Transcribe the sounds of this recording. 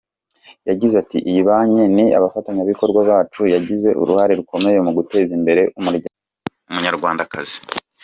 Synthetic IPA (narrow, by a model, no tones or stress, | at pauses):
jaɟizatḭʔiβaːɲe̞nia̰βafataɲaβiko̞ɾɡwaβaːt͡ʃujaɟize̞ʔṵɾuhaɾe̞ɾuko̞me̞je̞muɡute̞ːzimbe̞ɾe̞ʔumuɾɟa | umuɲaɾɡwaːndakazi̥